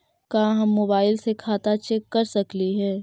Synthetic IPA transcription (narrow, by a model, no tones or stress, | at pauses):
kaːɦɐmːoːbaːɪlsekʰaːt̪at͡ʃɛːkːɐɾsɐkliɦɛː